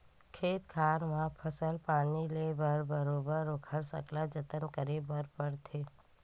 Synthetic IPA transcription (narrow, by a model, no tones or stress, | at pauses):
kʰeːt̪kʰaːnmãpʰəsəlpaːnilebəɾbəɾoːbəɾːoːkʰəɽsə̰klad͡ʒət̪ənkəɾebəɾpəɾt̪ʰeː